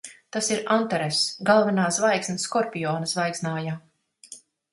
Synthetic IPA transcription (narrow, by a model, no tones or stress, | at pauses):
t̪asiɾant̪ɛɾesɡalˠvɛnaːsvajksnɐskɔɾpʲijɔːnɐsvajksnaːjaː